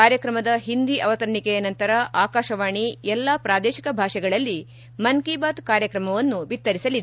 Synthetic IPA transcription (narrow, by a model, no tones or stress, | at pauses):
aːɾjɐkɾɐmɐd̪ɐɦind̪iʔɐʋɐt̪ɐɾɳikɛjɐnɐnt̪ɐɾɐʔaːkaːʃɐʋaːɳiɛlːapɾaːd̪ɛːʃikɐbʱaːʂɛɡɐɭɐlːi | mɐnkiːbaːt̪kaːɾjɐkɾɐmɐʋɐnːubit̪ːɐɾisɐlid̪e